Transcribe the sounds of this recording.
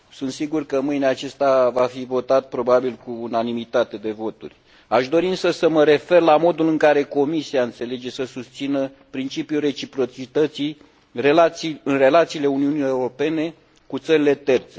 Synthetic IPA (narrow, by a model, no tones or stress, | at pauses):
sunt̪siɡurkəmɨjneat͡ʃest̪avafivo̞t̪at̪̚pɾo̞babilkuːnanimit̪at̪e̞d̪e̞vo̞t̪ṵrʲ | aʃd̪o̞ɾiɨnsəsəməɾe̞fe̞rlamo̞d̪ulɨŋkaɾe̞ko̞misiaɨnt̪se̞le̞d͡ʒe̞səsust̪sinə | pɾint͡ʃipjure̞t͡ʃipɾo̞t͡ʃit̪ət̪si | relaiɨnre̞lat̪siːle̞uniunie̞uɾo̞pe̞ne̞ | kut̪səɾile̞t̪e̞rt̪se̞